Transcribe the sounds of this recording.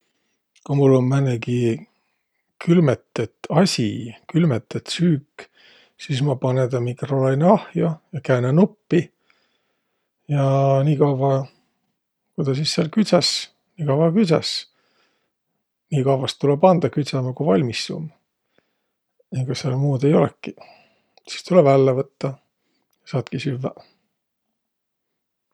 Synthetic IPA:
kumulːommæneɡi | kʰylmet̪ːˑet̪ːˑɑsʲikylmet̪ːˑet̪syːkː | sismɑpɑnent̪ɑmikrolejnɑhjɑjɑkæːnenupːi | jɑniːkɑwvɑ | kujd̪ɑs̬isːelkyt̪sɑs | niːkɑwɑkysɑ̰s | niːkɑwvɑst̪ːulebɑnd̪̥ɑkyt̪sɑmɑkuvɑlʲmisːṵm | nikɑselmuːd̪e̞jo̞lekːˑi | si̥st̪ulevælːevɤt̪ːɑ | jɑsɑːt̪kisyvːæ

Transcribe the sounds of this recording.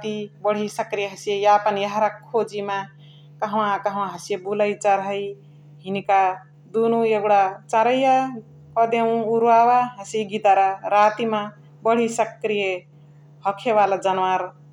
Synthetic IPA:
t̪ibʌɽ̤isʌkɾijeɦʌsijejapʌnjaɦaɾakʰːod͡ʒima | kʌɦwãkʌɦw̃ãɦʌsijebulʌjt͡ʃaɾɦʌj | ɦinika | d̪unueɡɽat͡sãɾʌja | kʌd̪ew̃uɾuawaɦʌsiɡid̪aɾaɾat̪ima | bʌɽ̤isʌkɾije | hʌkʰeβalad͡ʒʌnwaɾ

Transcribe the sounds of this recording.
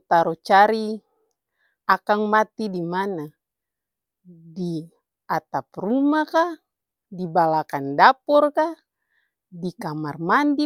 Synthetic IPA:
t̪aɾɔt͡ʃaɾi | akaŋmat̪idimana | di | at̪ap̚rumaka | dibalakandapɔrka | dikamarmandi

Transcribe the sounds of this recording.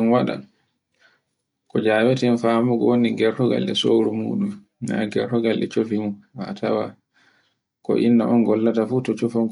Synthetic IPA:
nwaɗa̰n | kɔd͡ʒaːwɛtɛnfaːmuɡɔwoniɡɛɾtɔɡa̰lːɛsowɾumṵːɗum | na̰ɡɛɾtɔɡalːɛ̰t͡ʃofimha̰tʰawa | kɔ̰ʔinːa̰ʔɔnɡɔlːatafutɔt͡ʃɔfɔŋ

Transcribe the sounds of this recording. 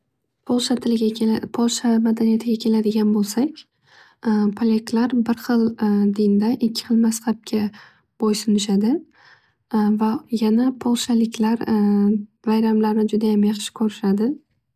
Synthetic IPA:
pʰolˠʃat̪ʰɪlɪɡʲpʰolˠʃamad̪anijat̪ʰɪɡʲakʲʰe̞lad̪ɪɡʲanbolˠsakʲ | pʰolʲeklaɾbɪɾχɨlˠd̪ɪnd̪aʔɪkʲʰːɪ̥χɨlˠmasχap̚kʲʰa | b̥ojsʊnɪʃad̪ɪ | vajanapʰolˠʃalɪkʲʰlaɾ | vajɾamlaɾnɪd͡ʒʊd̪ajamjɑχʃɪ̥kʰɵɾɪʃad̪ɪ

